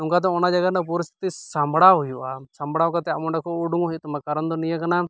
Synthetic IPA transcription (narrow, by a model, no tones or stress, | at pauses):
uŋkad̪ɔ̃ɔnad͡ʒaɡat̪̚napuɾist̪ʰi̥t̪isambɽaɦujuʔasambɽawkat̪ɛa̰mɔɖakʰɔuɖuŋɔɦit̪ɔmakaɾɔnd̪ɔnijakana